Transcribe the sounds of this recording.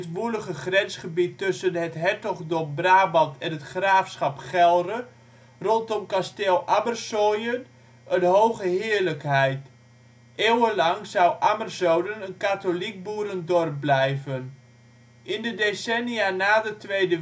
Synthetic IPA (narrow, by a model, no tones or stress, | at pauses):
ətʋuləχəχrɛnsχəbitːɵsənɦətɦɛtɔχdɔmbraːbɑtʰɛnɦətχraːfsχɑpχɛlˠrə | rɔntɔmkasteːlˠabərsojən | ʔənɦowχəɦɪːɹləkɦɛjt | ʔeːwəlɑŋzʌwʔamərzowdənənkatolik̚buːɾəndɔr̚blɛjvən | ʔɪndədesɛnijaːnaːdətʋejdə